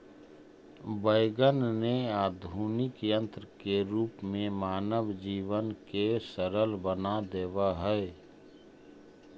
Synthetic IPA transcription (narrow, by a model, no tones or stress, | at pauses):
bəɪɡənneaːd̪ʱuːnɪkjə̃nt̪ɾəkeɾuːpmẽmaːnəʋd͡ʒiːʋənkesəɾəlbənad̪eːʋaɦɛe